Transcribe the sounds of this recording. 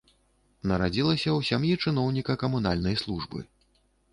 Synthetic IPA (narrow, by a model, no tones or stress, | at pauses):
nɐɾad͡zʲilˠɐsʲɐwsʲamjit͡ʂɨn̪ɔwnʲikɐkɐmunalʲnɐjslˠuʐbɨ̰